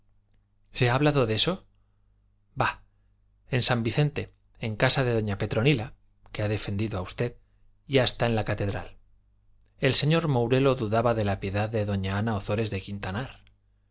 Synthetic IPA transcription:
se̞aːβlaðo̞ðe̞so̞ | ba | e̞nsambiθe̞nt̪e̞ː | ŋkasaðe̞ðo̞ɲape̞t̪ɾo̞nila | ke̞aðe̞fe̞nd̪iðoaust̪e̞ð | jaest̪ae̞nlakat̪e̞ðɾa̰l | e̞lse̞ɲo̞ɾmowɾe̞lo̞ðuðaβaðe̞lapje̞ðaðe̞ðo̞ɲaanao̞θo̞ɾe̞zðe̞kint̪anaɾ

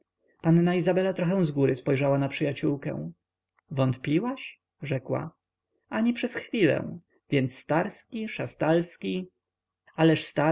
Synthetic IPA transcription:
panːaizabɛlat̪ɾɔxɛ̃w̃zɡuɾɘspɔjʐawanapʂɘjat͡ɕuwkɛ̰̃w̃ | vɔnt̪pʲiwaʂ | ʐɛkwa̰ | aɲipʂɛsxfʲilɛ̰̃w̃ | vʲjɛnt̪sːt̪aɾskʲiʂast̪alskʲi | alɛʂst̪a

